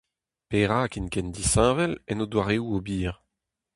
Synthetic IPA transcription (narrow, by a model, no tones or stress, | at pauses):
peʁaːkinkɛnd̪isɛ̃ːvɛlɛnod̪waʁeːuobiːʁ